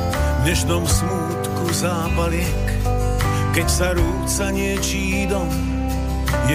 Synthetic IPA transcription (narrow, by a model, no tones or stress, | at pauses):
ɲɛʃnɔmsmuːt̪kuzaːpalɪɛk | kɛcsaɾuːt͡saɲɪɛt͡ʃiːd̪ɔm | j